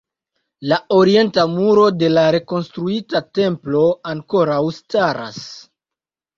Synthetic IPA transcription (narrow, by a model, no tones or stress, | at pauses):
lao̞ɾie̞ntamuɾo̞de̞laɾe̞ko̞nstɾuitate̞mplo̞aŋko̞ɾawstaɾa̰s